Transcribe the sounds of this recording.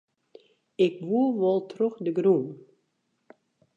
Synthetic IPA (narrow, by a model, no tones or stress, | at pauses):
ɪk̚ʋuəʋɔlˠtroxdəɡrun